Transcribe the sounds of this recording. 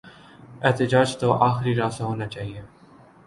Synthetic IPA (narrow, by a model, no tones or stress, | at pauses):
ɛɦt̪ed͡ʒaːd͡ʒt̪oʔaːxɾiɾaːsaɦoːnat͡ʃaːɦie